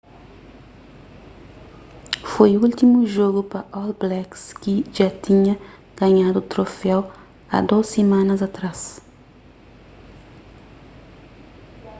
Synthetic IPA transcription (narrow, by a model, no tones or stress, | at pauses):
fojult̪imuʒoɡupɐʔɔlblɛkskiʒat̪ĩɲɐ | ɡ̥ɐɲad̪ʊt̪ɾofɛw | a̰d̪osemãnɐzɐt̪ɾas